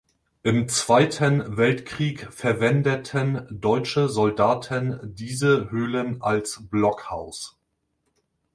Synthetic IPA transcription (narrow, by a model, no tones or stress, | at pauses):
ʔɪmt͡sv̥aɪtʰənvɛltkʁ̥iːkfɛɐvɛndətʰəndɔʏt͡ʃəzɔldaːtʰəndiːzəhøːlənʔalsb̥lɔkhaʊs